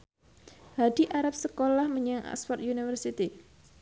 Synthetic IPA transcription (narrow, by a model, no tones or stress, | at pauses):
haɖ̪̥iʔaɾap̚səkolahməɲaŋʔa̰spɔrt̪junifərsit̪i